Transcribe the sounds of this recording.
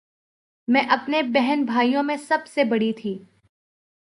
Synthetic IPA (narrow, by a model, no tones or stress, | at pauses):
mɛ̃ːʔɐpnebɛɦɛnbʱaːijõmẽsɐbsebɐɽit̪ʰiː